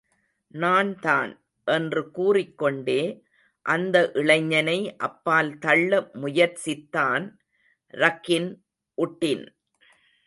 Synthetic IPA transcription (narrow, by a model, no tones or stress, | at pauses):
naːnt̪a̰ːn | ʔɛndrɯkuːrɪkːɔɳɖeː | ʔɐnd̪ɐʔɪɭɐɪɲːɐnɐɪʔɐpːaːlt̪ɐɭːɐmʊjɐɾt͡ʃɪt̪ːaːn | ɾɐkːɪn | ʔʊʈːɪn